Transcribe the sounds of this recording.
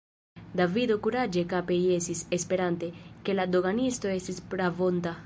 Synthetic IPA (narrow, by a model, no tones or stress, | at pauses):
d̪avido̞kuɾad͡ʒe̞kapeie̞stisespe̞ɾante̞ke̞lado̞ɡanisto̞e̞stispɾavo̞nt̪a